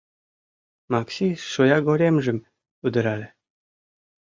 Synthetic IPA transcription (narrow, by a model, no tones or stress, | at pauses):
mɑksʲiʃojɑɡoɾemʒɘ̆m | ud̪ə̆ɾɑlʲe